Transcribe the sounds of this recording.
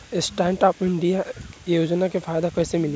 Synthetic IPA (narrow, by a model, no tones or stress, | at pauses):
ɪsʈãːɳʈaːpɪ̃ɳɖijajoːd͡ʒnakefʰaːjd̪akɛːsemɪlẽ